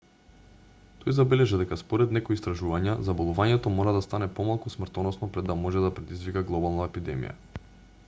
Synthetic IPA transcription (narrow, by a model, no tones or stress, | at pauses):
t̪ʰɔjzabɛlɛʒid̪ɛkaspɔɾɛd̪nɛkɔjist̪ɾaʒuvaɲazabolˠuvaɲɛt̪ɔmɔɾad̪ast̪anɛpɔmalˠkusmrt̪ɔnɔsnɔpɾɛd̪ːamɔʒɛd̪apɾɛd̪izvikaɡlˠɔbalˠnaɛpid̪ɛmḭja̰